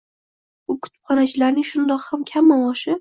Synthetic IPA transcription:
bʊkʰʊ̥t̪ʰɪ̥pχɒnat͡ʃʰɪlaɾnɪŋʃʊnd̪ɒqhamkʲʰamːawɒʃɪ

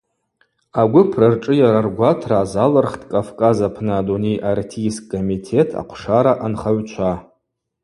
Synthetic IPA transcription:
aɡʷʊpʰrarʈ͡ʂʼɨjaɾarɡʷatʰraːzalərχtʰʼkʼafkʼazapʰnɨːdunejʔartʰiskʼːomitʰe̞tʰa̰qʷʰʂaɾaʔanχaɥt͡ʃʷʰa

